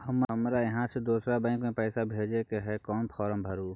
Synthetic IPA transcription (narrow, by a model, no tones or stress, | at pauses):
həmɦəmɾajɐɦãsed̪uːsɾabɐ̃ɪkmẽpɛːsabʱeːd͡ʒekeɦɛkɔːnpʰɔːɾəmbʱəɾuː